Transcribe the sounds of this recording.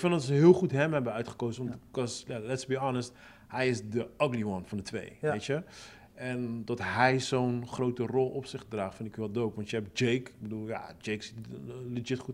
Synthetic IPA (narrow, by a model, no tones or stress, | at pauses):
kfɪndɔtsəɦɪːlˠχutɦɛmɦɛbənœɥtχə̥kowzəʋɑntkɔsjalɛtsəbiɑːnəst | hɛjɪsdəɑɡliʋɑnfɑndətʋḛjejtə | ɛndɔtɦɛjzownχrowtərɔlˠɔpsɪχdraːχtfɪndɪkjyʋɛlˠdowpʋɑntjəɦɛp̚d͡ʒejkbədulˠja̰d͡ʒejksitlɪd͡ʒɪtχut